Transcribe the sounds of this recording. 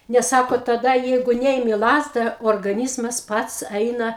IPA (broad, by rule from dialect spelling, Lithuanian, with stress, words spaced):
nʲɛs ˈsɑːkoː tɐˈdɐ ˈjɛɪɡʊ ˈnʲɛɪmʲɪ ˈlˠɑːzdɐ oːrɡɐˈnʲiːzmɐs ˈpɐts ˈɐɪnɐ